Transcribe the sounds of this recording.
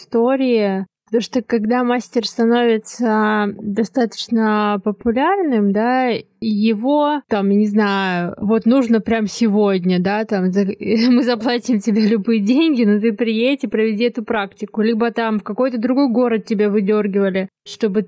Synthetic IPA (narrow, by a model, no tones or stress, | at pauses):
st̪o̞ɾʲɪɪpət̪ɐmuʂt̪okɐɡd̪amasʲtʲɪrst̪ɐno̞vʲɪt̪səd̪ɐst̪at̪ə̥t͡ɕnəpəpʊlʲarnɨmd̪a | ijɪvo̞t̪amjnʲɪznaʊvo̞t̪nuʐnəpɾʲamsʲɪvodʲnʲəd̪at̪amzəmɨzɐplˠatʲɪmtʲɪbʲalʲʊbɨjədʲenʲɡʲɪnot̪ɨpɾʲɪjetʲɪpɾəvʲɪdʲiɛt̪ʊpɾaktʲɪkʊlʲibət̪amfkɐko̞jt̪əd̪ɾʊɡo̞jɡo̞ɾət̪̚tʲːɪbʲavɨdʲo̞rɡʲɪvəlʲɪʂt̪o̞bɨ